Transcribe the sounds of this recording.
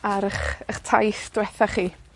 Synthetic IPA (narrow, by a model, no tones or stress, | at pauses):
aɾəχəχtʰa̰jθd̥wɛθaχiː